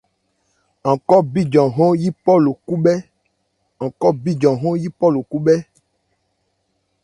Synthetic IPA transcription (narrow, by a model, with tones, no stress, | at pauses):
ɔ̃˨kɔ˦bi˦d͡ʒɔ̃˨ɦɔ̃˦ji˦pɔ˦lo˨ku˦bɛ˦ | ɔ̃˨kɔ˦bi˦d͡ʒɔ̃˨ɦɔ̃˦ji˦pɔ˦lo˨ku˦ɓɛ˦